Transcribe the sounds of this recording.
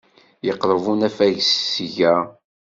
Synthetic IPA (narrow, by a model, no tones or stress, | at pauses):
jəqːɾˤvunæfæʝssʝæ